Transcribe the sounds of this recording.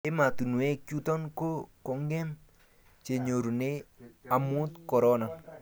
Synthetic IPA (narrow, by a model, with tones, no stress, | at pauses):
ɪ˦ma˨t̪u˨nu˨e˦ku˦t̪ɔ˦nko˦kɔ˨ŋɡɛ˦m | t͡ʃe˨ɲo˨ɾu˨ne˦a˨mu˦t̪kɔ˨ɾɔna˨n